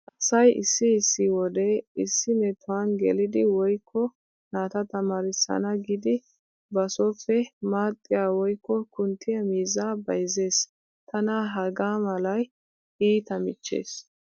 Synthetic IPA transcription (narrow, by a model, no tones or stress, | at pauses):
ʔɐsɐjʔɪ̰sːɪːsːɪwɔd̪ɛɪsːɪmɛt̪ʰʊwɐnɡɛ̰lɪd̪ɪwɔjkʰːɔ | naːt̪ɐt̪ɐmaːɾɪsːɐ̰nɐɡɪd̪ɪ | bɐsɔfːɛmaːt̪ʼːɪjaːwɔjkːɔkʊnt̪ʰːɪjɐmiːzaːbɐjze̞ːs | t̪ʰɐnaɦɐɡaːmɐlɐj | iːt̪ɐmɪt͡ʃːḛːs